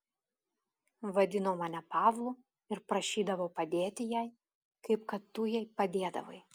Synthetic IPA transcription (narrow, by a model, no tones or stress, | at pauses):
ʋɐd̪ʲɪnoʊmɑːnʲɛpɑːʋlˠʊ | ɪɾpɾɐʃʲiːd̪ɐʋɐʊpɐd̪ʲeːt̪ʲɪjæˑɪ | kɐɪp̚kɐt̪ːujɛɪpɐd̪ʲeːd̪ɐ̰ʋɐ̰ɪ